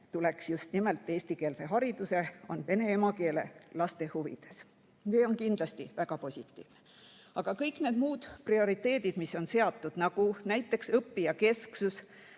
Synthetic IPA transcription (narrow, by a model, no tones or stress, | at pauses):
t̪uleksjust̪nime̞lt̪ˑːe̞ːsʲt̪ike̞ːlse̞ɦɑɾid̪use̞o̞̰nve̞ne̞emɑke̞ːle̞lɑst̪e̞huvḭd̪̥e̞s | seːo̞nkind̪lɑst̪ivæɡ̥ɑpo̞sʲit̪ːˑḭːvne | ɑɡ̥ɑkɤjkˑne̞ːd̪̥muːd̪̥prio̞ɾit̪e̞ːd̪id̪̥misːo̞nse̞ɑt̪ˑːud̪̥nɑɡ̥unæjt̪ːˑe̞ksɤpːijɑke̞sksus